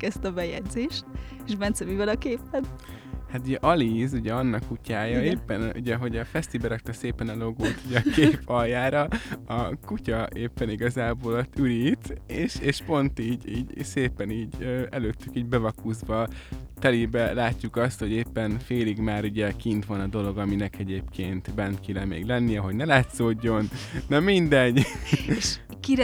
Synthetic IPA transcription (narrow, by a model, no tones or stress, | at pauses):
kɛst̪ɒbɛjɛ̰ɟzeːʃt̪eʃbɛnt̪sɛmivɛlɒkeːpɛt̪ | hat̪uɟɛʔɒlizuɟɛɒnːɒkːucaːjɒeːpːɛnʔṵɟɛɦo̞ɟɒfɛst̪ibɛɾɒk̚t̪ɛseːpɛnɒlo̞ɡoːt̪uɟɛɒkʰepʰɒjjaːɾɒɒkucɒʔeːpːɛniɡɒzaːboːloyɾiːt̪eːʃeːʃpo̞nt̪iːɟiːɟseːpɛniːɟøːɛløːt̪ːykiːɟbɛvɒkuːzbɒt̪ɛlibɛlaːcːukɒst̪ho̞ɟeːpːɛnfeːliɡmaːɾuɟɛkint̪ʋɒnɒd̪o̞lo̞ɡɒminɛkɛɟeːpkʰeːnt̪bɛnkilɛmḛːɡlɛnːiɛɦo̞ɟnɛlaːt̪zoːɟːo̞nːɒmind̪ɛɟ | kiɾ